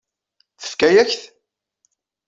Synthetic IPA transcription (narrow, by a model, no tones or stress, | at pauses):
θə̥fkæjæçθ